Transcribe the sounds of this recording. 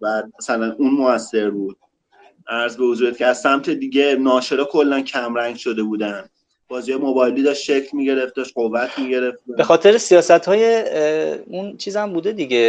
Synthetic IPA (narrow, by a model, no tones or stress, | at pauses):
bæːd̪̚mæsælænunmoæsːe̞ɾbuːd̪̥̚ | ʔæɾzbevozuːɾet̪kʰceæzsæmt̪ʰe̞d̪iːɟe̞nɒːʃe̞ɾɒːkʰolːæncʰæmɾæŋɟʃo̞d̪e̞buːd̪ænd̪ | b̥ɒːzijɒjemobɒːjliːd̪ɒːʃtʃe̞cʰlmiːɟe̞ɾe̞fd̪ɒʃɢovːæt̪ʰmiːɟe̞ɾe̞fd̪b̥exɒːt̪ʰe̞ɾesijɒːsæt̪hɒːje | unt͡ʃʰiːzæmbuːd̪e̞d̪iɟe